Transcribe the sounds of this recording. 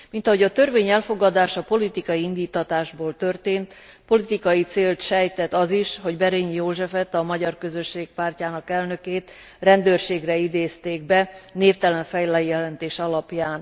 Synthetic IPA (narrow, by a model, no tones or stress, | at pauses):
mint̪ɒɦo̞ɟɒt̪ø̞rveːɲɛlfo̞ɡɒd̪aːʃɒpo̞lit̪ikɒjiind̪iːt̪ːɒt̪aːʒboːlt̪ø̞rt̪eːnt̪ | po̞lit̪ikɒjit̪seːlt̪ʃɛjt̪ɛt̪ːɒziʃɦo̞ɟbɛɾiɲjoːʒɛfɛt̪ɒmɒɟɒrkø̞zø̞ʃːeːk̚paːrcaːnɒkɛlnø̞keːt̪ | rɛnd̪øːrʃeːɡrɛid̪eːst̪eːɡ̚bɛneːft̪ɛlɛɱfɛjlɛjjɛlɛnt̪eːʃɒlɒpjaːn